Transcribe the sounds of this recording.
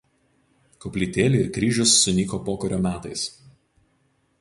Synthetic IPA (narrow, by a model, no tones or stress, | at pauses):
kɔpʲlʲiːt̪ʲeːlʲɪɪɾkɾʲiːʒʲʊsːʊnʲiːkoːpoːkɔɾʲoːmʲæːt̪ɐɪs